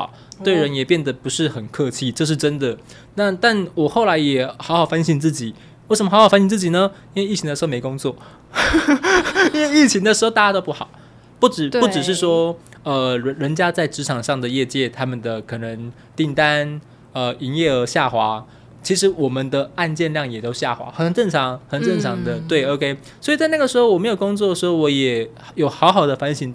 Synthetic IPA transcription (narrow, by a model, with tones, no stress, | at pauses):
ʊt̪we˥˩ɪɻə˧˦njɛ˨˩pjɛ˥˩nd̪ə˩pu˧˥ʂɻ̩˥˩xə˨˩nkʰɤ˥˧t͡ɕʰi˥ʈ͡ʂɤ˥˧ʂ̬̩˥˩ʈ͡ʂə˦nd̪ə˨ | na˥˧t̪a˥˩nwɔ˨˩xo˥˩ʊla˧˥ɪjɛ˨˩xɑ˧˥ʊxɑ˨˩ʊfa˥nɕi˥˧nt͡sɹ̩˥˩t͡ɕi˨˩˦ | we˥˩ʂə˧mə˧xxfnɕi˥˧nt͡s̩˥˩t͡ɕi˨˩nə˩˦i˥n̩we˥˧ɪi˥˩t͡ɕʰŋd̪ə˧ʂɻ̩˧˥˧me˧˥ɪkʊ˥ŋt͡swɔ˥˩ | i˥nwe˥˧ɪi˥˩t͡ɕʰi˧˥ŋd̪ə˨ʂɻ̩˧˥˧t̪a˥˩t͡ɕa˥t̪o˥ʊpu˥˩xɑ̰˨˩˦ʊ | pu˥˩ʈ͡ʂɻ̩˨˩pu˥˩ʈ͡ʂɻ̩˨˩ʂ̬ɻ̩˥˩ʂwɔ˥ə˧ɻə˧˥nt͡ɕja˥t͡sa˥˩ɪʈ͡ʂɻ̩˧˥ʈ͡ʂʰɑ˨˩ŋʂɑ˥˩ŋd̪ə˩jɛ˥˧t͡ɕjɛ˥˩t̪ʰa˥mə˨nd̪ə˩kʰɤ˨˩nə˧˥ŋ | t̪i˥˩ŋt̪a˦˥n | ə˧i˧˥njɛ˥˩ə˧˥ɕja˥˩xwa˧˥ | t͡ɕʰi˧˥ʂɻ̩˧˥wɔ˨˩mə˨nd̪ə˨a˥˧nt͡ɕjɛ˥˧nljɑ˥˩ŋjɛ˨˩t̪o˧˥ʊɕja˥˩xwa̰˧˥xə˨˩nʈ͡ʂə˥˩ŋʈ͡ʂʰɑ˧˥ŋxə˨˩nʈ͡ʂə˥˩nʈ͡ʂʰɑ˧˥ŋd̪ə˧t̪we˥˩ɪo˧˥ʊkʰe˥ɪ | swɔ˧˥i˨˩t͡sa˥˧na˥ɡə˩ʂɻ̩˧˥xo˥ʊwɔ˨˩me˧˥jo˨˩ʊkʊ˥ŋt͡swɔ˥˩ə˩ʂɻ̩˧˥xo˥˧wɔ˧˥jɛ˨˩ | jo˨˩ʊxɑ˧˥ʊxɑ˨˩ʊd̪ə˦fa˧˥nɕi˧˥n